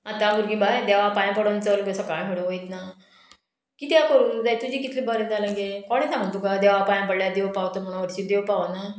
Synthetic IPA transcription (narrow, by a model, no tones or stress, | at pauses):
at̪ãɡuɾɡĩbajd̪eʋapajãpəɽont͡səɾɡəsɔkajɦeɽəɦojt̪na | kiːt̪jakəɾud͡zajt̪ud͡ʑiːkit̪ʰlĩbəɾẽd͡zalə̃ŋɡekɔɽ̃ẽsãŋɡəɳt̪ukad̪eʋapajãpəɽljad̪eʋpaʋt̪əm̤əɽ̃ũʋəɾt͡ɕiːd̪eʋpaʋana